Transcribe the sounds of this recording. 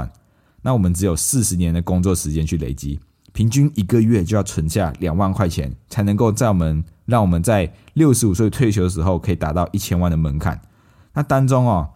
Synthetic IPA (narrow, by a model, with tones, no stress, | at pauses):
n | na˥˨wɔ˨˩mə˨˦nʈ͡ʂɻ̩˧˦jo˨˩ʊs̩˥˨ʂɻ̩˧˦njɛ˧˦nd̪ə˨kʊ˥ŋt͡swɔ˥˨ʂɻ̩˧˥t͡ɕjɛ˥˦nt͡ɕʰy˥˩lḛ˨˩ɪt͡ɕi˦ | pʰi˧˥ŋt͡ɕy˥ni˧˥kə˨ɥɛ˥˧t͡ɕjjɑ˥˩ʊt͡sʰwə˧˦nɕja̰˥˨ljɑ˨˩ŋwa˥˧nkʰwa˥˩ɪt͡ɕʰjɛ̰˧˦nt͡sʰa˨˧˥ɪnə˧˦ŋko˥˧ʊt͡sa˥˩ɪwɔ˨˩mə˨˦nɻɑ˥˩ŋwɔ˨˩mə˨˦nt͡sa˥˧ɪljo˥˩ʊʂɻ̩˧˥u˨˩swe˥˩t̪ʰwe˥˩ɪt͡ɕʰjo˧ʊd̪ə˨ʂɻ̩˧˦xo˥˧ʊkʰɤ˧˥i˨˩t̪a˧˥t̪ɑ˥˧ʊʔi˥˩t͡ɕʰjɛ˥nwa˥˩nd̪ə˩mə˧˦nkʰa̰˨˩˦n | na˥˨t̪a˦ŋt͡so˦ŋɔ˨